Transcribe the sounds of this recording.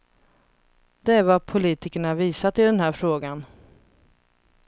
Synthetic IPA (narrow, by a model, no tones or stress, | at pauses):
d̪ɛæɾvapʰʊliːt̪ɪkəɳaviːsat̪ɪd̪ɛnɦæːɾfɾoːɡan